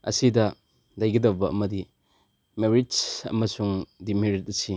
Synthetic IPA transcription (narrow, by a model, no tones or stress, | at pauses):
ɐ̰sidɐ | dajɡɐdɐbɐɐ̰mɐdi | meɾid͡ʒɐ̰mɐsuŋdimeɾit̚ɐsi